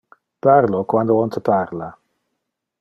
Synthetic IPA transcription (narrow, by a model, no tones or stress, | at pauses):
paɾlokwand̪oɔnt̪ʰəpʰaɾla